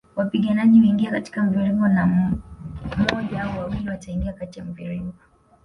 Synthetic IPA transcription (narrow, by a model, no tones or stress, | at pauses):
wapiɡanaʄiwiŋɡiakati̥kam̩viɾiŋɡɔna | mɔʄaauwawiliwataiŋɡiakatijam̩viɾiŋɡɔ